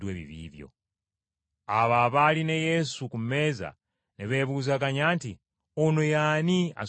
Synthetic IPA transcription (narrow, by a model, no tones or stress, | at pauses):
weβḭβḭːvjo̰ | aβaβalinejesukummeːza̰ | niβeβuːzakaɲaːnti | onojania̰